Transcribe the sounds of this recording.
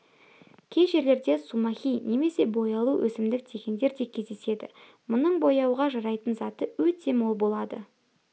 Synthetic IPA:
kʲʰe̞ʒe̞ɾle̞ɾd̪e̞sumɑχʲijne̞me̞se̞bo̞jɑlˠuwʔɵ̰sɪmd̪ɪk̚t̪ʰe̞kʲend̪e̞ɾd̪e̞kʲʰe̞zd̪ese̞d̪ɪ̰ | mʊnəɴbo̞jɑwʁɑʒɑɾɑjt̪ənzɑt̪əwɵt̪ʰe̞mo̞lˠbo̞lˠɑd̪ə

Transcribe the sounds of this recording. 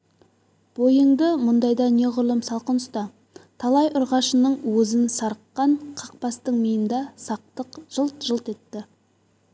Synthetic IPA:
b̥ojəɴd̪əmʊnd̪ɑjd̪ɑne̞ʁʊɾlˠəmsɑlˠqənəst̪ɑ | t̪ʰɑlˠɑjʔʊɾʁɑʃənəɴwɵzɪnsɑɾəqːɑɴqʰɑq̚pɑst̪əɴmijənd̪ɑsɑq̚t̪əqʒ̥əlˠt̪ʒ̥əlˠt̪e̞t̪ːɪ

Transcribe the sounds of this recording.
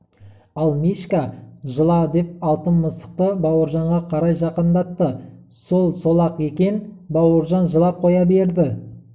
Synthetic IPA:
ɑlˠmiʃkaʒəlˠɑd̪e̞p̚ɑlˠt̪ənməsə̥q̚t̪əbɑwəɾʒɑɴʁɑqʰɑɾɑjʒɑqənd̪ɑt̪ːə | so̞lˠso̞lˠɑqekʲe̞nbɑwəɾʒɑnʒəlˠɑp̚qʰo̞jɑbe̞ɾd̪ɪ

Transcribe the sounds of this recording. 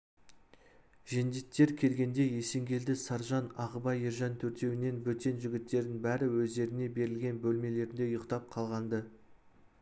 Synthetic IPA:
ʒend̪it̪ːe̞ɾkʲʰe̞lɡʲe̞nd̪e̞je̞se̞ŋɡʲe̞ld̪ɪsɑɾʒɑnɑʁəbɑjəɾʒɑnt̪ʰɵɾt̪e̞wɪne̞nbɵt̪e̞nʒʏɡʲɪt̪ːe̞ɾd̪ɪŋbæɾɪwɵzd̪e̞ɾɪne̞be̞ɾɪlɡʲe̞nbɵlme̞le̞ɾɪnd̪e̞ʊjəqt̪ɑp̚qʰɑlˠʁɑnd̪ə

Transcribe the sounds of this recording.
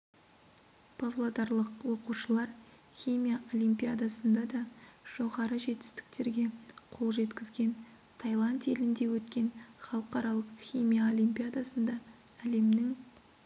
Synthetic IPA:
pʰovlˠod̪ɑɾlˠəqwo̞quʃəlˠɑɾ | χʲijmʲijaʔo̞lʲijmpʲijad̪asənd̪ɑd̪ɑʒ̥o̞ʁɑɾəʒe̞t̪ɪ̥st̪ɪ̥k̚t̪e̞ɾɡʲe̞qʰo̞lˠʒe̞t̪kʲɪzɡʲe̞n | t̪ʰɑjlˠɑnt̪e̞lɪnd̪e̞wɵt̪kʲe̞nχɑlˠəqɑɾɑlˠəqχʲijmʲijao̞lʲijmpijad̪asənd̪ɑ | æle̞mnɪŋ

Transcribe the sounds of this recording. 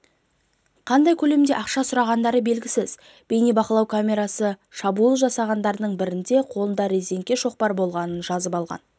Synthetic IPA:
qʰɑnd̪ɑjkʲʰɵle̞md̪e̞ʔɑqʃɑsʊɾɑʁɑnd̪ɑɾəbe̞lɡʲɪsɪz | b̥e̞jnibɑqəlˠɑwkʰamʲe̞ɾɑsəʃɑbulˠʒɑsɑʁɑnd̪ɑɾd̪əɴbɪɾɪnd̪e̞qʰo̞lˠənd̪ɑɾʲezid̪e̞ŋk̚ʲe̞ʃo̞q̚pɑɾbo̞lˠʁɑnənʒɑzəpɑlˠʁɑ̰n

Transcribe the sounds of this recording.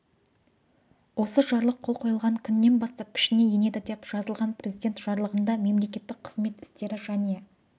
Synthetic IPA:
wʔo̞səʒɑɾlˠəqʰːo̞lˠqʰo̞jəlˠʁɑŋkʲʰʏnːe̞nbɑst̪ɑp̚kʲʰɪ̥ʃɪne̞jene̞d̪ɪd̪e̞pʒ̥ɑzəlˠʁɑnpre̞zijd̪ʲe̞nt̪ʒ̥ɑɾlˠəʁənd̪ɑme̞mle̞kʲe̞t̪ːɪk̚qʰəzme̞t̪ɪ̥st̪e̞ɾɪʒæne̞

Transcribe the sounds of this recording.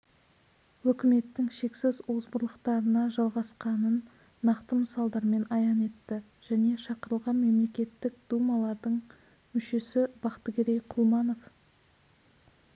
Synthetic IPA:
wɵkʲɪme̞t̪ːɪŋʃe̞ksɪzozbʊɾlˠəqt̪ɑɾənɑʒɑlˠʁɑsqɑnənː | ɑqt̪əməsɑlˠd̪ɑɾme̞nɑjɑne̞t̪ːɪ | ʒ̥æne̞ʃɑqəɾəlˠʁɑnme̞mle̞kʲe̞t̪ːɪk̚d̪̥umɑlˠɑɾd̪əɴ | mʏʃe̞sɪb̥ɑqt̪əɡʲeɾejqʰʊlˠmɑno̞f

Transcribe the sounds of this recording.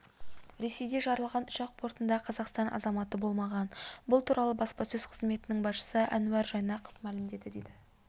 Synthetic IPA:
ɾe̞se̞jd̪e̞ʒɑɾəlˠʁɑnʊʃɑq̚pʰo̞ɾt̪ənd̪ɑqʰɑzɑqst̪ɑnʔɑ̰zɑmɑt̪əbo̞lˠmɑʁɑnbʊlˠt̪ʰuɾʔɑlˠəbɑspɑsɵz̥qʰə̥zme̞t̪ɪnɪŋbɑsʃə̥səʔæ̰nʉæɾʒɑjnɑqə̥fmælɪmd̪e̞d̪ɪd̪ejd̪ɪ

